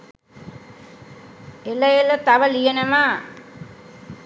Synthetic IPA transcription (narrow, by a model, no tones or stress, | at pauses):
eləjelət̪aʋəlijenəʋa